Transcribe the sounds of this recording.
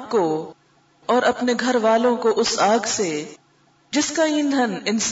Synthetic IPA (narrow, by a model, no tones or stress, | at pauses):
ko | ɔːɾɐpneɡʱɐɾʋaːlõkoʔʊsaːɡse | d͡ʒɪskaĩːnd̪ʱənɪns